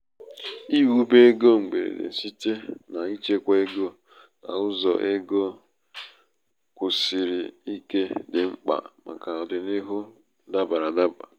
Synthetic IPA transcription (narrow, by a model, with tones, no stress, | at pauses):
i˦wu˦be˦e˦ɡo˦ŋ͡m̩˨ɡ͡be˨ɾḛ˨dḛ˨si˦te˦na˨i˦t͡ʃe˦kʷe˦e˦ɡo˦ | na̰˨ʊ˦zɔ̰˨ʔe˦ɡo˦ | kʷʊ˨si˨ɾi˨i˦ke˦dɪ˨ŋ͡m̩˦k͡pa̰˨ma̰˨ka˨ɔ˨dɪ˨ni˦ɦʊ˦ | da˦ba˨ɾa˨da˦ba̰˨